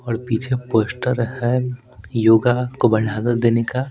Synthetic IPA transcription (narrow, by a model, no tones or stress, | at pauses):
ɔːɾpiːt͡ʃʰepoːsʈəɾhɛ | joːɡakobɐɽaːzət̪d̪eːneka